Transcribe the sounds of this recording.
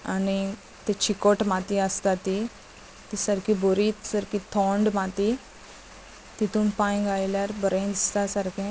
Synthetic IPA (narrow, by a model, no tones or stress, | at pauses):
ani | t̪et͡ɕikoʈmat̪iəst̪at̪ːi | t̪isəɾkiboɾiːt̪səɾkit̪ʰɔ̃ɳɖmat̪i | t̪it̪ũːnpãjɡajljaɾbəɾẽd̪ist̪asəɾkʰẽ